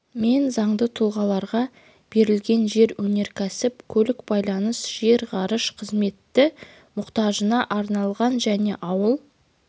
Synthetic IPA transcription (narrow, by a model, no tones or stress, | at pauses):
me̞nzɑɴd̪ət̪ʰulˠʁɑlˠɑɾʁɑ | b̥e̞ɾɪlɡʲe̞nʒe̞ɾwɵne̞ɾkʲʰæsɪpkʲʰɵlɪkbɑjlˠɑnəsʒ̥e̞ɾʁɑɾəʃqʰəzme̞t̪ːɪ | mʊqt̪ɑʒənɑʔɑɾnɑlˠʁɑnʒæne̞ʔɑwəlˠ